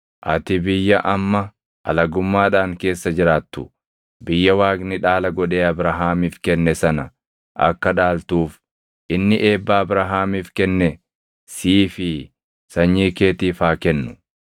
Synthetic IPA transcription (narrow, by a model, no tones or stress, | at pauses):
ʔɐt̪ɪbɪjːɐʔɐmːɐ | ɐ̰lɐɡʊmːaːᶑaːŋke̞ːsːɐd͡ʒɪɾaːt̪ːʊ̥ | bɪjːɐwaːɡnɪᶑaːlɐɡɔᶑeːɐbɾɐɦaːmiːfkɛnːɛsɐnɐ | ʔɐ̰kːɐᶑaːlt̪uːf | ʔɪnːɪʔe̞ːbːaːbɾɐɦaːmiːfkɛnːɛ | siːfɪ | sɐɲːiːke̞ːt̪iːfaːkɛnːʊ̥